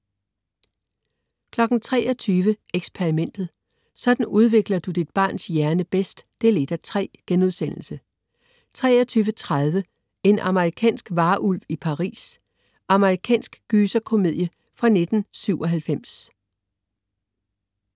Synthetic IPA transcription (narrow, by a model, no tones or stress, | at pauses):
kʰlɒ̽ɡ̥n̩t͡sʰʁɛ̰ːʔɒt͡sʰyːʋəeɡ̥spʰeʁimen̰d̥ð̞̩ˠ | sɒ̽d̥n̩uð̞ˠʋe̝ɡ̥lɐd̥ud̥id̥̚b̥ɑ̰̈ːnsjæɐnəb̥esd̥ːe̝le̝d̥æt͡sʰʁɛ̰ːɡ̥enuð̞ˠsen̰l̩sə | t͡sʰʁɛ̰ːɒt͡sʰyːʋət͡sʰʁað̞ˠʋə | e̝nʔɑ̈məʁikʰɛ̰ːnsɡ̥ʋɑ̈ːʔulʋipʰɑ̈ʁḭːs | ʔɑ̈məʁikʰɛ̰ːnsɡ̥ɡ̥yːsɐkʰo̝me̝ð̞̰ˠjə | fʁɑ̈ne̝d̥n̩syʊ̰ʔɒ̽ɦælfem̰s